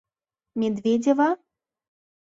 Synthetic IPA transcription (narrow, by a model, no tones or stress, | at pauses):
mʲɛd̪vʲed͡zʲɛvɐ